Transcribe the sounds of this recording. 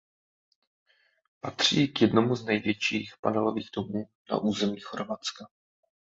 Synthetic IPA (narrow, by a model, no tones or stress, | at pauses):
pat̪r̝̥iːkjɛdno̞muznɛjvjɛt͡ʃiːxpanɛlo̞viːɣdomuː | na̰ʔuːzɛmiːxoɾvat͡ska